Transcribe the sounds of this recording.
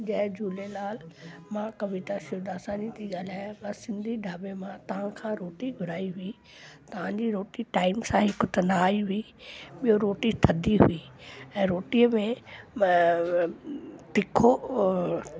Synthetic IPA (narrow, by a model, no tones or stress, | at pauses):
d͡ʑɐ̃ɦd͡ʑuːlelaːlmãkɐʋɪt̪asɪod̪aːsãːnit̪iɠaːl̤aːj̃kãsɪ̃nd̪ʱiɖʱaːbemãt̪ɐʋ̤ãkʰãɾoːʈiɡʱʊɾaːiɦʊi | t̪ɐʋ̤ãɲd͡ʑiɾoːʈiʈaːɪmsãɦɪkʊt̪naaːiɦʊi | ɓijoɾoːʈit̪ʰɐd̪ʱiɦuiːɛ̃ːɾoːʈijəmẽ | t̪ɪkʰo